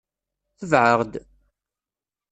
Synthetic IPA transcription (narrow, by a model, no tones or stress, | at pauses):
θəvʕəʁd̪